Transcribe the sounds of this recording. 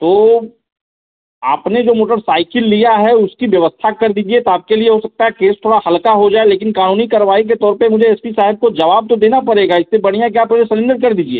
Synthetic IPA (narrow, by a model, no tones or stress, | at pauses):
t̪oː | aːpned͡ʒoːmoːʈəɾsaːɪkɪlːijaɦɛʊskiʋjɐʋəst̪ʰakɐɾd̪iːd͡ʒiet̪oaːp̚kelieɦosɐk̚t̪aɦɛkeːst̪ʰoːɽahɐlkaɦod͡ʒaːeleːkɪnkaːnuːnikaɾʋaːik̬et̪ɔːɾpemʊd͡ʒʱeɛːspisaːɦɪb̚kod͡ʒɐʋaːb̚t̪od̪eːnapɐɽeːɡaɪssebɐɽ̤̃ijak̬jaːpod͡ʒesɐlɪ̃ɳɖəɾkɐɾd̪iːd͡ʒiḛː